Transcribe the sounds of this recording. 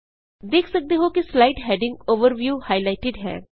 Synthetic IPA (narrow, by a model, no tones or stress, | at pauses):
d̪eːkʰsɐk̚d̪eɦokislaɪʈɦɛːɖɪ̃ŋɡoːʋəɾʋjuːhaːɪlaɪʈɪɖɦɛ̰̃ː